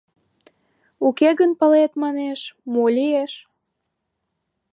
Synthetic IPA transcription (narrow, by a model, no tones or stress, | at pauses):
ukeɣənpəlet̪mɑneʃmolʲieʃ